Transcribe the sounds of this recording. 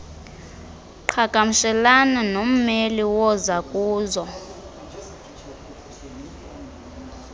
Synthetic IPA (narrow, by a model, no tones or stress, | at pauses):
ǃʰaɡ̥ʱamuʃɛlananom̩meliwɔzakʼuːzɔ